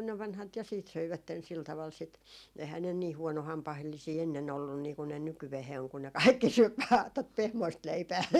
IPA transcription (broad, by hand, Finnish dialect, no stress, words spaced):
ne ʋɑnhɑt jɑ siːt søiʋætːen sil tɑʋɑl sit ehæː ne niː huɔnohɑmpɑhelːisiː enːen olːun niːku ne nykyʋeheː oŋ ku ne kɑikːi syøp ʋɑː tot pehmoist leipæː